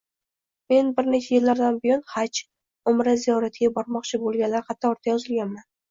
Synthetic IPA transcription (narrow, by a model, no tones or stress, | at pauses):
me̞nbɪɾnet͡ʃʰajɪlːaɾd̪anbɪjɒnhat͡ʃʰ | ʊmɾazijɒɾat̪ʰɪɡʲabɒɾmɒqt͡ʃʰɪbolˠɡʲanlːaɾqʰɑt̪ʰːaɒɾt̪ʰajɒzɪlɡʲanman